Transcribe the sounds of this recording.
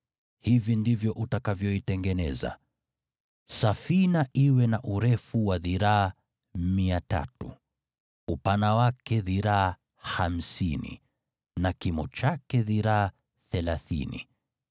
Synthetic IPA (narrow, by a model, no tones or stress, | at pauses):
hivindivjɔʔutakavjɔitɛŋɡɛnɛ̰za̰ | safinaʔiwɛnaʔuɾɛfuwaðiɾaː | miata̰tṵ | upanawakɛðiɾaː | ham̩sinḭ | nakimɔt͡ʃakɛðiɾaː | θɛlaθḭnḭ